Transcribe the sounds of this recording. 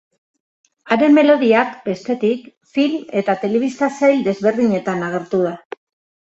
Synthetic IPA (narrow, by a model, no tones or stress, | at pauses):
aɾe̞mːe̞lo̞ðiakbe̞st̪e̞t̪ik | filme̞t̪at̪e̞le̞β̞ist̪asajld̪e̞zβe̞ɾðiɲe̞t̪anaɣ̞e̞ɾt̪uða